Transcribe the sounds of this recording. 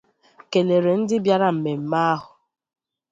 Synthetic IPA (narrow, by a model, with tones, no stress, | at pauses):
ke˨le˨ɾe˨n̩˦dɪ˦bja˦ɾa˦m̩˨me˨m̩˨ma˦a˦ɦʊ˨